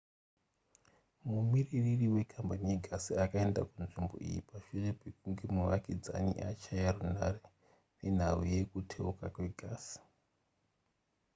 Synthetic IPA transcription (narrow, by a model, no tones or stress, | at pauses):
mumiriririwe̞kʰambanije̞ɡʱasiakaendakunʐimbo̞̰ʔḭjḭpaʃurepekuŋɡemuʋakid͡za̰nḭʔa̰t͡ʃajaruna̰re̞ | nen̤auje̞kutʰe̞ukakwe̞ɡʱaːsi̥